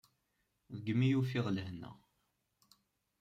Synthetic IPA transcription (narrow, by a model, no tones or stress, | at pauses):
ðəɡːmːijufiʁləɦnːə̰